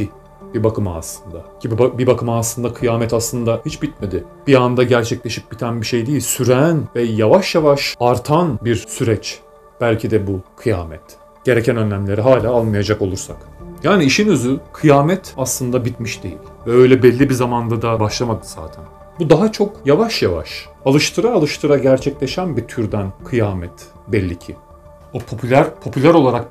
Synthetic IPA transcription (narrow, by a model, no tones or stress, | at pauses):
i | bibakɯma̰ːslˠɯnd̪aɟʰibibibakʰɯmaːslˠɯnd̪akʰɯjaːmɛt̪aslˠɯnd̪ahit͡ʃbit̪̚med̪ɪ | b̥iand̪aɟæɾt͡ʃʰɛclʲeʃic̚bit̪ʰænbiʃe̞jd̪ejilʲsyɾænvɛjavaʃjavaʃaɾt̪ʰanbiɾsyɾɛt͡ʃ | b̥ælʲcʰid̪ɛbukʰɯja̰ːmɛ̰t̪ | ɟ̥e̞ɾecʰænø̞nlʲæmlʲe̞ɾiɦaːlʲaːalˠmajad͡ʒako̞lˠuɾsa̰kjaːniːʃinøzykʰɯjaːmɛt̪aslˠɯnd̪abit̪miʃd̪e̞jḭlʲvɛø̞jlʲɛbɛlʲːibizamand̪ad̪abaʃlˠamad̪ɯz̥a̰ːt̪ʰæn | bud̪aɦat͡ʃʰo̞kjavaʃjava̰ʃ | alˠɯʃt̪ʰɯɾaːlˠɯʃt̪ʰɯɾaɟæɾt͡ʃʰɛclʲeʃænbit̪ʰyɾd̪ænkʰɯjaːmɛt̪ | bɛlʲːicʰḭ | opʰo̞pʰylʲæɾpʰo̞pʰylʲæɾo̞lˠaɾak̚